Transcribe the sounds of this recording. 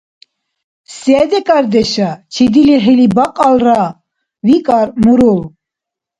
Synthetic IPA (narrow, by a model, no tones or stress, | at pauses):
sɛd̪ɛkʼaɾd̪ɛʃat͡ʃʰid̪iliχilibaqʼalra | vikʼaɾmuɾul